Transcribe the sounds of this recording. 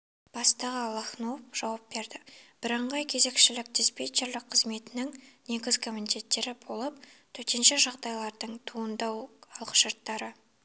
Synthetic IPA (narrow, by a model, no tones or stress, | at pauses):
b̥ɑst̪ɑʁɑlˠɑχnopʒ̥ɑwɑp̚be̞ɾd̪ɪb̥ɪɾɑɴʁɑjkʲʰe̞ze̞kʃɪlɪk̚d̪espet͡ʃʲe̞ɾlɪk̚qʰəzme̞t̪ɪnɪŋne̞ɡʲɪzkʰʲomint̪e̞t̪ːe̞ɾɪbo̞lˠəp̚t̪ʰɵt̪enʃɪʒɑʁd̪ɑjlˠɑɾd̪əɴt̪ʰuənd̪ɑwɑlˠə̥ʃəɾt̪ːɑɾə